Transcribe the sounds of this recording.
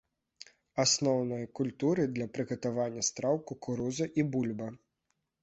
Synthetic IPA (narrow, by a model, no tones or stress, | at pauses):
asnɔwnɔjɐkulʲt̪uɾɨd̪lʲɐpɾɨɣɐt̪avanʲːɐst̪ɾawkukuɾuzɐʔibulʲbɐ